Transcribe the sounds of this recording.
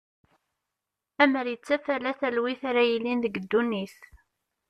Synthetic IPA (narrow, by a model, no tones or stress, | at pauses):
æməɾjət͡sːæfælæθælwiθaɾæjilːinðəɡəd̪ːunːiθ